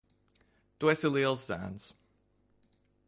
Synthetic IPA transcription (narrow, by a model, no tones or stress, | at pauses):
d̥wɛsəlilˠsdã̰nz̥